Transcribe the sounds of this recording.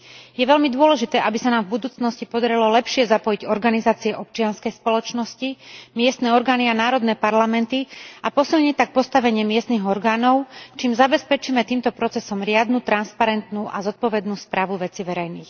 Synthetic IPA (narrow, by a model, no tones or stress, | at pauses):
jɛʋɛlmid̪ʊɔlɛʒit̪ɛːʔabisanaːmvbud̪uːt͡snɔscipɔd̪aɾilɔlɛpʃɪɛzapɔjiɟɔɾɡanizaːt͡siɛʔɔp̚t͡ʃɪanskɛjspɔlɔt͡ʃnɔscimɪɛst̪nɛːɔɾɡaːnianaːɾɔd̪nɛːpaɾlamɛnt̪iapɔsilɲict̪ak̚pɔst̪aʋɛɲɪɛmɪɛst̪niɣɔɾɡaːnɔʊt͡ʃiːmzabɛspɛt͡ʃiːmɛt̪iːmt̪ɔpɾɔt͡sɛsɔmɾɪad̪nuːt̪ɾanspaɾɛnt̪nuːʔa̰zɔt̪̚pɔʋɛd̪nuːspɾaːʋuʋɛt͡siʋɛɾɛjniːx